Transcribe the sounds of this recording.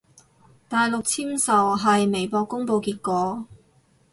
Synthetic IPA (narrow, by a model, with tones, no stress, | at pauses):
t̪aː˨jlʊ˨k̚t͡sʰiː˥msɐ˨wɦɐ˨jme˨˩jpɔː˧kːʊ˥ŋpo˧wkiː˧t̚kɔː˨˧